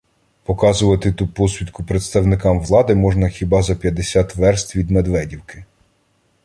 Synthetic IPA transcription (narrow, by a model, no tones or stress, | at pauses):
pɔkɑzʊʋɐt̪ɪt̪upɔsʲʋʲit̪kʊpɾet̪st̪ɐwnɪkɑmʋlˠɑd̪ɪmɔʒnɐxʲibɑzɐpʲjɐd̪esʲat̪ʋɛrst̪ʋʲid̪med̪ʋɛdʲiwkɪ